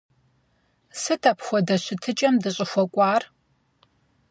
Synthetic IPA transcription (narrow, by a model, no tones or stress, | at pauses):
sɨtʰɐpxʷɔdɐɕɪtʰɨt͡ʃʼɐmdɨɕʼɪxʷɔkʷʼɑːr